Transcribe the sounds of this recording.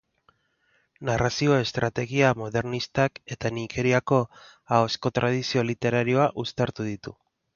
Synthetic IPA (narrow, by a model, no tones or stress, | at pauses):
narasio̞e̞st̪ɾat̪e̞ɣiamo̞ðe̞ɾnist̪ake̞t̪anike̞ɾiako̞ | ao̞sko̞t̪ɾʔað̞isio̞lit̪e̞ɾaɾio̞aʔust̪aɾt̪uðit̪u